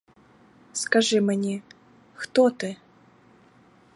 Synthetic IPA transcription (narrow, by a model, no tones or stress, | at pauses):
skaʐɨmnʲɛ | xt̪ɔt̪ɨ